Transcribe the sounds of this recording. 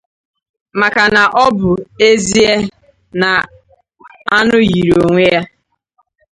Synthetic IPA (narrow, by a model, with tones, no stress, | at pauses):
ma˨ka˨na˨ʔɔ˦bʊ˨e˦zi˦e˦ | na˨ | a˦nʊ˦ɣi˨ɾo˨ŋʷe˦ja˦